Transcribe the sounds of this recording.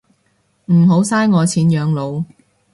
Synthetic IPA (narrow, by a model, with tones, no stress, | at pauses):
m̩˨˩ɦo˨˥wsaː˥jŋɔː˨˧t͡sʰiː˨˥njœː˨˧ŋlo˨˧w